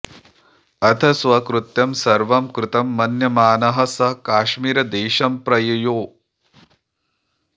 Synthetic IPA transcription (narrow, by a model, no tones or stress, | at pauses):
ɐt̪ʰɐsʋɐkɾut̪jɐmsɐɾʋɐmkɾɪt̪ɐmːɐnjɐmaːnɐɦɐ̆sɐɦɐkaːʃmiːɾɐd̪eːʃɐmpɾɐjɐjoː